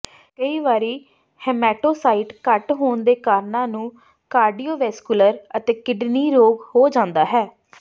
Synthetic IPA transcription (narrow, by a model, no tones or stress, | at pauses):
kəiːʋaːɾiː | hɛːmɛːʈoːsaːiʈkəʈɦoːnd̪eːkaːɾnãːnũː | kaːɾɖiːoːʋɛːskʊləɾət̪eːkɪɖniːɾoːɡhoːd͡ʒãːnd̪aːɦɛː